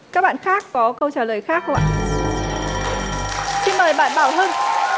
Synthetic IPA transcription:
kaː˦˥k̚ɓa̰ː˧˨xaː˦˥kːɔ˨˦kə˧wt͡ɕaː˧˩ləː˨˩jxaː˦˥k̚xwʔa̰ː˧˨ | si˧nməː˨˩jɓa̰ː˧˨nɓaː˧˩wɦəː˧n

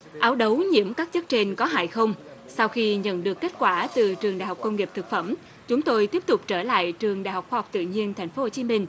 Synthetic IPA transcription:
ʔaː˨˦wɗə˨˦wɲḭ˧˩əmkaː˦˥k̚t͡ɕə˦˥t̚t͡ɕe˧ŋkɔ˨˦ɦa̰ː˧˨jxə˧wŋ͡msa˧wxi˧ɲə̰˧˨nɗɨ˨˩əkːe˦˥t̚kwaː˧˩t̪ɨ˨˩t͡ɕɨ˨˩əŋɗa̰˧˨jɦa˨˩k͡pkə˧ŋ͡mŋi˨˩p̚t̪ʰɨ˨˩k̚fə˧˩m | t͡ɕʊ˨˦ŋ͡mt̪o˧jt̪i˦˥əp̚t̪ʊ˨˩k͡p̚t͡ɕəː˧˩la̰ː˧˨jt͡ɕɨ˨˩əŋɗa̰ː˧˨jha˨˩k͡p̚xwaː˧ɦk͡p̚t̪ɨ̰˧˨ɲi˧ənt̪ʰɛ˨˩jŋ̟fo˨˦ho˧˩t͡ɕi˨˦mï˧ŋ̟

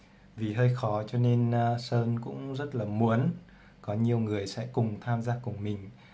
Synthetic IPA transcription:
vi˨˩ɦəː˧jxɔ˨˦t͡ɕɔ˧ne˧nsəː˧nkʊ̰˧˥ŋ͡mzə˦˥t̚laː˨˩mu˨˦ən | kɔ˨˦ɲi˨˩əwŋɨ˨˩əjsɛ̰˧˥kʊ˨˩ŋ͡mt̪ʰaː˧mzaː˧kʊ˨˩ŋ͡mmï˨˩ŋ̟

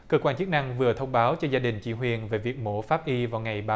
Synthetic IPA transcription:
kəː˧kwaː˧nt͡ɕɨ˦˥k̚na˧ŋvɨ˨˩ət̪ʰə˧wŋ͡mɓaː˨˦wt͡ɕɔ˧zaː˧ɗï˨˩ŋ̟t͡ɕḭ˧˩˦ɦwi˨˩ənve˨˩vi˨˩ək̚mo˧˩˦faː˦˥p̚ʔi˧vaː˨˩wŋa˨˩jɓaː˧

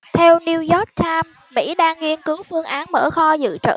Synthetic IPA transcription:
t̪ʰɛ˧wni˧wzɔ˦˥k̚t̪ʰaː˧mːḭ˧˥ɗaː˧ŋːi˧ənkɨ˨˦wfɨ˧əŋʔaː˨˦nmə̰ː˧˩xɔ˧zɨ̰˧˨t͡ɕə̰ː˧˨

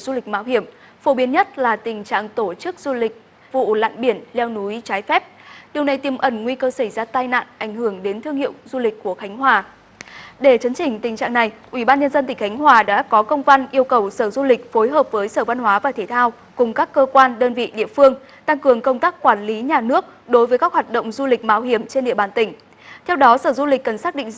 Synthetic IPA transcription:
zu˧lï˨˩k̚ma̰ː˧˨wɦi˧˩əm | fo˨˦ɓi˨˦ənɲə˦˥t̚laː˨˩t̪ï˨˩ŋ̟t͡ɕa̰ː˧˨ŋt̪o˧˩t͡ɕɨ˦˥k̚zu˧lï˨˩k̟̚ | vṵ˧˨la̰ː˧˨nɓi˧˩ənlɛ˧wnu˨˦jt͡ɕaː˨˦jfɛ˦˥p̚ɗi˨˩əwna˨˩jt̪i˨˩mʔə˧˩nŋwi˧kəː˧sə˧˩jzaː˧t̪aː˧jna̰ː˧˨nʔa˧˩jŋ̟hɨ˧˩əŋɗe˨˦nt̪ʰɨ˧əŋhḭ˧˨əwzu˧lï˨˩k̟̚ʲkːu˧˩əxa˨˦jŋ̟ɦwaː˨˩ | ɗe˧˩t͡ɕə˨˦nt͡ɕï˨˩ŋ̟t̪ï˨˩ŋ̟t͡ɕa̰ː˧˨ŋna˨˩jʔwi˧˩ɓaː˧nɲə˧nzə˧nt̪ï̟˧˩xa˨˦jŋ̟ɦwaː˨˩ɗa̰ː˧˥kɔ˨˦kə˧wŋ͡mva˧nʔi˧əwkə˨˩wsəː˧˩zu˧li˨˩k̟̚fo˨˦jɦəː˨˩p̚vəː˨˦jsəː˧˩va˧nhwaː˨˦vaː˨˩t̪ʰe˧˩t̪ʰaː˧w | kʊ˨˩ŋ͡mkaː˦˥kːəː˧kwaː˧nɗəː˧nvḭ˧˨ɗḭ˧˨əfɨ˧əŋ | t̪a˧ŋkɨ˨˩əŋkə˧wŋ͡mt̪aː˦˥k̚ːwaː˧˩nli˨˦ɲaː˨˩nɨ˦˥ək̚ɗo˨˦jvəː˨˦jkaː˦˥khwa˨˩t̚ɗo̰˧˨wŋ͡mzu˧lï˨˩k̟̚maː˧whi˧˩əmt͡ɕe˧nɗḭ˧˨əɓaː˨˩nt̪ï˧˩ŋ̟ | t̪ʰɛ˧wɗɔ˨˦səː˧˩zu˧lï˨˩k̟kːə˨˩nsaː˦˥k̚ɗḭ˧˨ŋ̟

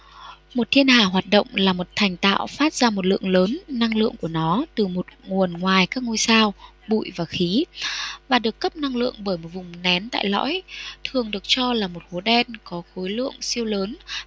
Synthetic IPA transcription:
mo˨˩t̚t̪ʰi˧ənhaː˨˧˩ɦwaː˨˩t̚ɗə̰˧˨wŋ͡mlaː˨˩mo˨˩t̚t̪ʰɛ˨˩jŋ̟t̪a̰ː˧˨wfaː˦˥t̚z̥aː˧mo˨˩t̚lɨ̰˧˨əŋləː˨˦nːa˧ŋlɨ̰˧˨əŋku˧˩ənɔ˨˦t̪ɨ˨˩mo˨˩t̚ŋu˨˩ənŋwaː˨˩jkaː˦˥k̚ŋo˧jsaː˧w | ɓṵ˧˨jvaː˨˩xi˨˦vaː˨˩ɗɨ˨˩əkːə˦˥p̚na˧ŋlɨ̰˧˨əŋɓəː˧˩jmo˨˩t̚vʊ˨˩ŋ͡mnɛ˨˦nt̪a̰ː˧˨jlɔ̰ː˧˥jt̪ʰɨ˨˩əŋɗɨ˨˩ək̚t͡ɕɔ˧laː˨˩mo˨˩t̚xo˨˦ɗɛ˧nkɔ˨˦xo˨˦jlɨ̰˧˨əŋsi˧əwləː˨˦n

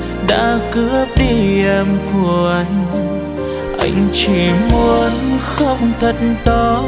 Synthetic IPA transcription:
ɗa̰ː˧˥kɨ˧˥əp̚ɗi˧˩ʔɛ˧mku˧˩əʔa˧jŋ̟ | ʔa̰˧˩jŋ̟t͡ɕi˧˩mu˧˦ənxə˧wŋ͡mt̪ʰə˧˨˩t̚nt̪ɔ˨˧˦

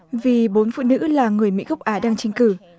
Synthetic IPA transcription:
vi˨˩ɓo˨˦nfṵ˧˨nɨ̰˧˥laː˨˩ŋɨ˨˩əjmḭ˧˥ɣə˦˥wk͡p̚ʔaː˨˦ɗaː˧ŋt͡ɕɛ˧ŋ̟kɨ˧˩

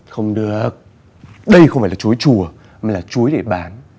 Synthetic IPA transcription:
xə˧wŋ͡mɗɨ˨˩ək̚ | ɗə˧jxə˧ŋ͡mfaː˧˩laː˨t͡ɕu˨˦jt͡ɕu˨˩ə | maː˨˩laː˨˩t͡ɕu˨˦əjɗe˧˩ɓaː˨˦n

